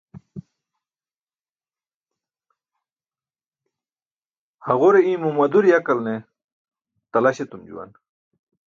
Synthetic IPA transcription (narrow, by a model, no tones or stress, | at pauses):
hɐʁoɾeĩmumɐd̪uɾjakɐlne | t̪ɐlaɕet̪umd͡ʑṵwa̰n